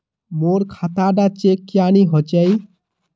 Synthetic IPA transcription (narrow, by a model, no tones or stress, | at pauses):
moɾkʰat̪aɖat͡ʃekːjaniɦot͡ʃɛj